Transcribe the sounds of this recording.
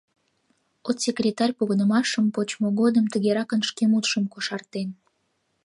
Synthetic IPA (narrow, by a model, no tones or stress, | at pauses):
ot̪sʲekrʲet̪ɑrʲpoɣənəmɑʃəmpot͡ɕmoɣod̪əmt̪əɣeɾɑkənʃkemut̪ʃəmkoʃɑrt̪en